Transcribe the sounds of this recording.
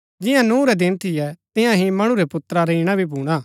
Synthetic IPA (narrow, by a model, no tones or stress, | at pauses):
d͡ʒɪjãnũːɾɛd̪ɪnt̪ʰɪjɛt̪ɪ̃jãɦĩmɐɽ̃uɾɛpʊt̪ːɾaɾɐiːɽ̃abʱibuːɽ̃aː